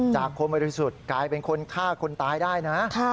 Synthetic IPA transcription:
t͡ɕaː˨˩kʰːo˧nm˧ɾɾi˧˥su˨˩t̪̚klaː˧jpe˧nkʰo˧nkʰaː˥˩kʰo˧nt̪aː˧jdaː˥˩jna˦˥kʰa˥˩

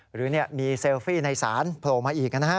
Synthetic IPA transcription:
ɾɯː˩˦ni˥˩ɐmiː˧se˧wfiː˥˩na˧jsa̰ː˩˦npʰloː˨˩maː˧ʔiː˨˩k̚na˧na˧˥a˦˥

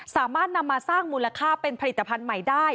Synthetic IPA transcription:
saː˩˦maː˥˩t̪̚na˧mːa˧saː˥˩ŋmuː˧la˧kʰaː˥˩pe˧npʰa˧li˨˩t̪ːa˧pʰa˧nma˨˩jdaː˥˩j

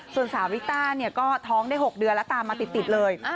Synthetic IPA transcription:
su˨˩ənsaː˩˦wi˦˥t̪aː˥˩ni˥˩ɐkɔː˥˩t̪ʰɔː˦˥ŋdaː˥˩jɦho˨˩k̚dɯ˧ənlɛ˦˥t̪aː˨˧mːaː˧t̪i˨˩t̪ːi˨˩t̪̚lɤː˧jʔ

